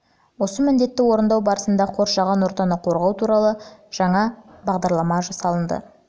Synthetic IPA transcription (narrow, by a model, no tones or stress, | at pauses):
wo̞səmɪnd̪e̞t̪ːɪwo̞ɾənd̪ɑwbɑɾəsənd̪ɑqʰo̞ɾsʒɑʁɑnwo̞ɾt̪ɑnəqʰo̞ɾʁɑwt̪ʰuɾɑlˠəʒ̥ɑɴɑbɑʁd̪ɑɾlˠɑmɑʒɑsɑlˠənd̪ə̰